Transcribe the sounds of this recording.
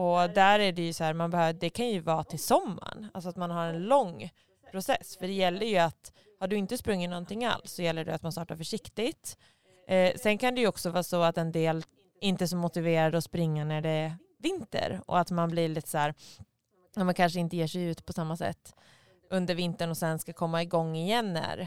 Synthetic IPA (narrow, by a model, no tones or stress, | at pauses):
ɔd̪æɾæɖɛjɵsɔhæːɾmanbɛhøːvd̪ɛkʰanjɵvɑːt̪ʰɪlsɔmːa̰ɳalsɔat̪manɦaɾɛnlɔŋː | pʰɾʊsɛsːfœɖɛjɛlːəɾjɵat̪ | haɖɵɪnt̪əspɾɵŋːɪnɔnt̪ɪŋːa̰lsːɔjɛlːəɖɛ̰at̪manst̪ɑːʈaɾfœʂɪkt̪ɪt̪ | sɛnkʰand̪ɛjɵɔksɔvɑːsɔat̪ɛnd̪eːl | ɪnt̪əs̬ɔmʊt̪ɪveːɾad̪ɔspɾɪŋːanæɖɛ | vɪnt̪ə̰ɾɔ̰at̪manblɪɭɪt̪ːsæːɾ | amɛnkʰanʂəɪnt̪əjeːʂɛjʉ̟ːt̪pʰɔsamːasɛ̰t̪ː | ʔɵnd̪əɾvɪnt̪əɳɔsɛnskakʰɔmːaɪɡɔŋːɪjɛnːæ̰ɾ